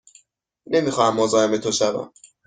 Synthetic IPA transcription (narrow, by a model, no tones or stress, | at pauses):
ne̞mixɒːhæmːozɒːeme̞t̪ʰoʃævæ̰m